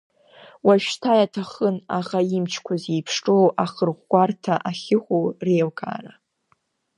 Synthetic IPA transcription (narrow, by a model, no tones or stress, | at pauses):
waʃᶣstʰajatʰaχənaʁaimt͡ʃʰkʷʰazejpʰʂʈ͡ʂʼowʔaχərʁʷɡʷartʰaʔaχʲɪχʷowrejlkʰʼa̰ra